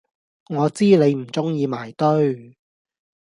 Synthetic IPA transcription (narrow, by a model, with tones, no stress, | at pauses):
ŋɔː˨˧t͡siː˥le˨˧jm̩˨˩t͡sʊ˥ŋjiː˨˧maː˨˩jt̪ɵ˥ɥ